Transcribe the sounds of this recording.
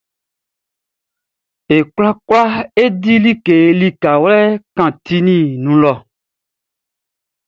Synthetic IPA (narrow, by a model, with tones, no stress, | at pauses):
e˨kla˦kla˦e˦di˦li˦ke˨˦li˦ka˨wlɛ˦kã˨t̪i˦nĩ˦nũ˨lɔ˨